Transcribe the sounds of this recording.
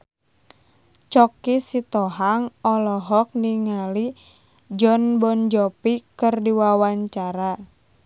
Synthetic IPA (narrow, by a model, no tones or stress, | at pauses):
t͡ʃɔkisit̪ɔɦaŋɔlɔɦɔk̚niŋali | d͡ʒɔnbɔnd͡ʒɔpikɨrdiwawaɲt͡ʃaɾa